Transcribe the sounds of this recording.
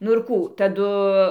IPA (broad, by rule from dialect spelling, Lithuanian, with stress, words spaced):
nʊ ɪr kuː tɐˈdʊ